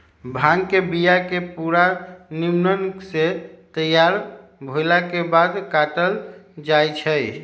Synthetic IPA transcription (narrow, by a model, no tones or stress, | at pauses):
bʱãŋkebijakepuɾanimnənkset̪əjaɾbʱojlakebad̪kaʈəld͡ʒajt͡ʃʰəj